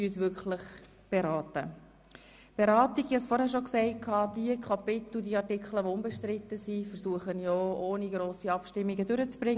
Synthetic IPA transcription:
yysvʏkχləχ | b̥eɾɑːtə | b̥eɾɑːtiɡ̥hiɑsfɔɾhɛɾʃoksɛɪkʰɑːd̥iəkʰɑpɪt̪l̩diəɑrtɪkχləʋoʊmbɛʃtɾɪtːəsifəɾsuəχənjɔoːniɡɾoːsiɑpʃtɪmːiɡədʏɾət͡sb̥ɾɪŋ

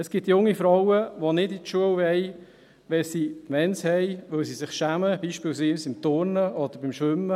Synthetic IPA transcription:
ɛsɡ̥ɪt̪jʊŋːifɾɔwəʋonɪditʃuəwhɛj | ʋɛlsimɛnshɛjʋʏlsisɪχʃæːməb̥iːʃpɪlsinsɪmt̪ʊɾnəɔd̪əɾbɪmʃʋʏmːə

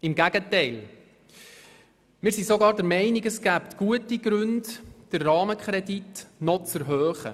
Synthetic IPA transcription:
ɪmɡæɡ̥ətɛɪl | mɪːɾsisɔɡɑːɾdɛɾmɛɪniɡəsɡ̥æptɡ̥uətiɡɾʉndd̥əɾːɑːməkχɾɛditnɔt͡səɾɦœːχə̰

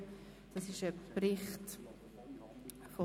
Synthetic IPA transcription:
d̥ɑsɪʃəprɪχt | fo

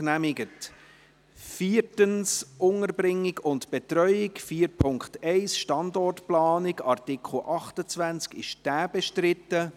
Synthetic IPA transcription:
næmɪɡət | fiːrtənsʔʊŋəɾbrɪŋːɪɡʊntb̥ɛtɾœʏɪkfiːɾpʰʊŋktɛɪsʃtɑndɔrtplɑːnɪɡɑrtɪkχl̩ʔɑχtət͡sʋænt͡skɪʃd̥æːb̥ɛʃtɾɪtːə

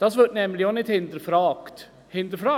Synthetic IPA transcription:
d̥̪ɑsʋœʈnɛmːlɪɔnɪt̪hɪnd̪əɾfɾɑːkt̪ | hɪnd̪əɾfɾɑː

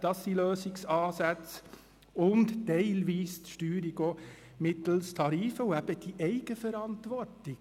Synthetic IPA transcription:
d̥ɑsːiløːsɪksɑːsæt͡s | ʊnttɛɪlʋiːstʃtyːɾiɡo | mɪt̪l̩stʰɑɾiːfəʊæb̥əd̥iʔɛɪɡ̥əfəɾɑntʋɔɾtɪ

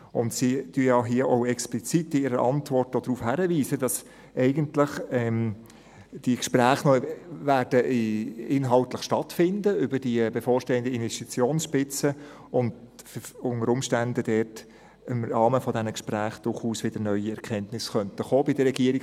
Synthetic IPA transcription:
ʊndsityəjɑɦiəʔoʊɛksplit͡sitːɪɪɾəʔɑntʋɔrtod̥ɾuːfhæɾəʋiːzədɑs | ʔɛɪɡəntləχɛm | d̥ikʃpræːχnɔvæːɾd̥əʔɪnɦɑltləχʃtɑtfɪndəʏbəd̥iəb̥efoːɾʃteːəndəinʋɛstit͡sjoːnsʃpɪt͡sə | ʊnd | fʊnəɾʊmʃtændəd̥ɛːt | ɪmɾɑːməfɔdɛnəkʃpræːχd̥ʊrχuːsʋɪdəɾnœʏiɛɾkʰɛntnɪsχœntəχoːbɪd̥əɾɛɡiəɾi

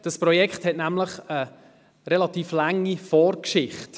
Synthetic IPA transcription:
d̥ɑspɾɔjɛkχthɛtnæmləχə | ɾɛlɑtiːflaŋːifɔːɾkʃɪχt

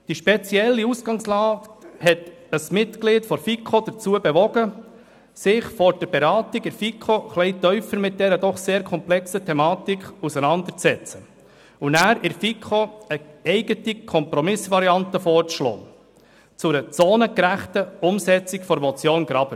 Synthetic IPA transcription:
d̥iʃpɛt͡sjɛlːiusɡ̥ɑŋslɑːthɛt | əsmɪtɡ̥lɪːtfɔɾfikʰχod̥̪əɾt͡suəbɛʋɔɡə | sɪχfɔɾd̥əɾbɛɾɑːtiɡɪɾfikʰoχlɛɪtœʏfəɾmɪt̚d̥̪ɛɾədɔχseːɾkʰɔmplɛksətʰɛmɑːt̪ikχusənɑnd̪əɾt͡sɛt͡sə | unæːɾɪɾfikʰoəɛɪɡ̥ətikʰɔmpɾɔmɪsvɑɾiɑntəfɔːɾt͡sʃlo̰ː | t͡sʊɾət͡soːnəkɾæχtəʊmsɛt͡sikfɔɾmɔt͡sjoːnɡɾɑb̥ə

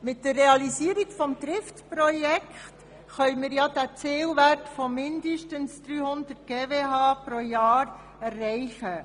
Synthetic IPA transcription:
mɪtdərːeɑlisiːəɾiɡ̥fɔmd̪ɾɪftpɾɔjɛkχt | χœʏmɪːɾjɑd̥æt͡sɪːlʋærtfɔmɪnd̪əʃtənsd̥̪ɾyːhʊnd̥̪ətɡ̥eːveːɦɑːpɾojɑːɾ | ɛrːɛɪχə

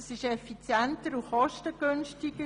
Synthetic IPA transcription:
sɪʃɛfit͡sjɛntəɾuχɔʃtəɡ̥ønʃtiɡ̥ə

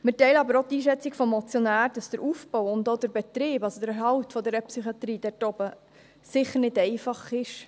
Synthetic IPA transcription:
mɪtɛɪləɑbəɾotiːʃɛt͡sikfɔmːɔt͡sjonæːɾd̥ɑsd̥əɾʔuːfb̥ɔwʊndoːd̪əɾbɛt̪ɾɪːbɑlsod̥̪əɾɛɦɑwtfɔdɛɾəpsyχiɑt̪ɾiːd̥ɛɾtɔbə | sɪχəɾnɪdɛɪfɑχɪʃ

